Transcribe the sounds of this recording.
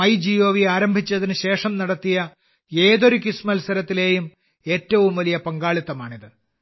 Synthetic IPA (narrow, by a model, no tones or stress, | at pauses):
ɐjd͡ʑijo̞ːʋiaːɾɐmbʱit͡ɕːɐðinɨɕe̞ːʂɐmnɐɽɐt̪ːijɐ | e̞ːðo̞ɾukismɐlsɐɾɐt̪ːile̞ːjum | e̞ːtːɐʋumʋɐlijɐpɐŋɡaːɭit̪ːɐmaːɳiðɨ